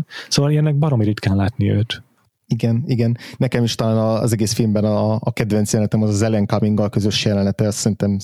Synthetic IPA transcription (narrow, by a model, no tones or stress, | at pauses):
soːvɒliɛnːɛɡ̚bɒɾomiɾyt̪kɛllaːt̪niø̰ːt̪ | iɡɛniɡɛnːɛkɛmiʃt̪ɒlaːnɒ̰zɛɡeːsfilmbɛnːkɛd̪vɛntsjɛlnt̪ɛmɒzɒzɛlɛŋkɒmiŋɡɒlkø̞zø̞ʃjɛlɛnɛt̪ɛsɛɾint̪ɛm